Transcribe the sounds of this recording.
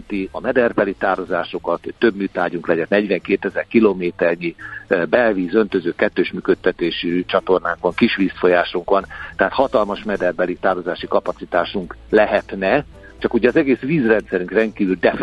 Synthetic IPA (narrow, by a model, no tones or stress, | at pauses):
t̪iɒmɛd̪ɛrbɛlit̪aːrozaːʃokɒt̪hoːø̞bmyːt̪aːɟuŋklɛɟɛnnɛɟʋɛŋkeːt̪ɛzɛrkiloːmeːt̪ɛrɲibɛlviːzø̞nt̪øzøːkɛt̪ːøːʃmyːkøt̪ːɛt̪eːʃit͡ʃɒt̪o̞rnaːŋkʋɒŋkiʃʋiːsfo̞jaːʃuŋkʋɒnt̪ɛɦaːt̪hɒt̪ɒlmɒʃmɛd̪ɛrbɛlit̪aːrozaːʃikɒpɒt̪sit̪aːʃuŋklɛɦɛt̪nɛ | t͡ʃɒkuɟɛɒzɛɡeːsʋiːzrɛnt̪sɛɾyŋkrɛnt̪̚kiːvyld̪ɛf